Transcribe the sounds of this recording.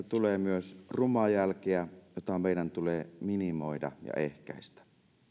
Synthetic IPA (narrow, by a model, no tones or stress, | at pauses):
et̪uleːmyøsrumˑɑjælkeæjot̪ɑmeˑidænt̪uleːminimoˑidɑ̰jɑ̰ehkæ̰ˑist̪æ̥